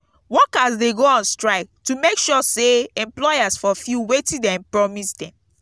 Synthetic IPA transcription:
wɔkasdeɡoɔ̃nstɹaɪk̚tumekʃɔseɛ̃mplɔjasfɔfjuwetĩdɛ̃mpɹɔmisdɛ̃m

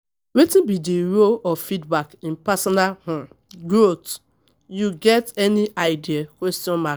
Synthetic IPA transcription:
wetĩnbidiɹoɔfidbakĩnpasɔnalhɔ̃ | ɡɹot | juɡɛtɛniʔaɪdiakwɛstiɔ̃nma

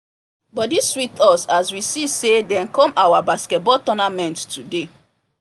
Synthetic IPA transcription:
bɔtdiswitʰɔsaswisisedɛ̃nkɔ̃mawabaskɛt̚bɔltɔnamɛ̃nttude

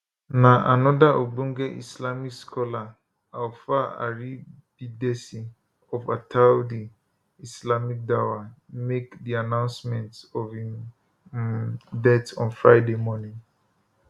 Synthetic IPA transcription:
nãʔanɔdaʔobũŋ̩ɡɛʔḭslamikskʰɔla | awfaa̰ɹi | b̥idɛsi | ɔfatʰaldi | islamik̚dawamekdianãʊ̃nsmɛ̃ntɔfĩm | dɛtɔ̰̃nfɹaɪdemɔnĩŋ

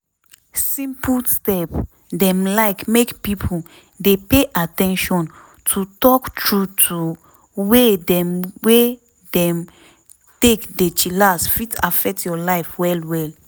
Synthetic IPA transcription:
sĩmplstɛp | dɛ̃mlaɪkmekpipʰol | depeʔatɛ̃nʃɔ̃n | tʰutɔktʰɹutʰu | wedɛ̃mwe | dɛ̃m | tekdet͡ʃilasfita̰fɛk̚tjɔlaɪfwɛlwɛl

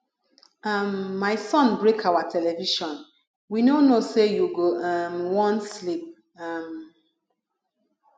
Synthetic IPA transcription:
ʌmːaɪsɔ̃nbɹekʰawatʰɛlɛviʃɔ̃n | winonosejuɡoamwɔ̃nslip̚ | am

